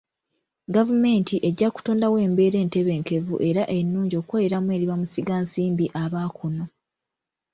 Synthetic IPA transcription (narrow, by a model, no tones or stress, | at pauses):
ɡavume̞ːntiʔe̞ɟːaku̥toːndawe̞ːmbe̞ːɾe̞ːnte̞βe̞ːŋke̞vṵʔe̞ɾaʔenːuːɲɟo̞ːkweleɾamue̞ːɾiβamusiɡaːnsiːmbiʔaβaːkʰuno̞